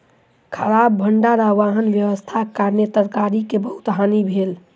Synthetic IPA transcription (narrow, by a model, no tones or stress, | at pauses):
kʰəɾabːʱəɳɖaɾaʋaɦənʋjəʋəst̪ʰakaɾnet̪əɾkaɾikebəɦut̪ɦanibʱel